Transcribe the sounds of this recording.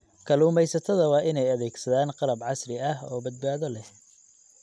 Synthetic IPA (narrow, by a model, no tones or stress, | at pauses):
kʰɐluːmɛjsɐt̪ʰɐðɐwɑːʔɪnɛjɐðɛːɡsɐðaːnqɑlɐbʕɑsrɪɐɦɔ̰ːbɐd̪baːðɔlɛh